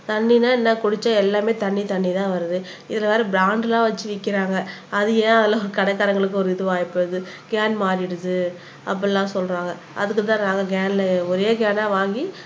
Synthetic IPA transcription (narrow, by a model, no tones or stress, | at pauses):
t̪ɐɳːinaːɪnːaːkʊɽɪt͡ʃːaɛlːaːmeːt̪ɐɳːit̪ɐɳːit̪ãːʋɐɾɯðɯɪðɪlɐʋaːɾɯbɪɾaːɳɖlãːʋɐt͡ʃːɯʋɪkːɪɾaːŋɡɐɐðɯjẽːɐðɐlaɔɾɯkɐɽɐkːaːɾɐŋɡɐɭɯk̬ːɯɔɾɯɪðɯʋaːjpːɯðɯɡaːnmaːɾɪɽɯðɯ | ɐ̰p̬ːɐlːãːsɔlɾaːŋɡɐ | ʔɐ̰ðɯkːɯt̪ãːnaːŋɡɐɡaːnlɐɔɾeːɡaːnaːʋaːŋɡi